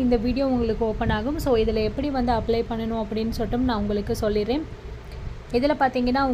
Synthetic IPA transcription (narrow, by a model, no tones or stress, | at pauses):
ɪnd̪ɐʋiːɽɪjoːʊŋɡɐɭɯkːɯɔːpːɐnaːɣɯmsoːɪðɪlɐɛpːɐɽiʋɐnd̪ɯɐpːɭɐɪpɐɳːɐnʊ̃ɐpːɐɽɪnːɯsɔʈːɯmnãːʊŋɡɐɭɯkːɯsɔlːɪɾẽːn | ɪðɪlɐpaːɾt̪iːŋɡɐnːaːʊ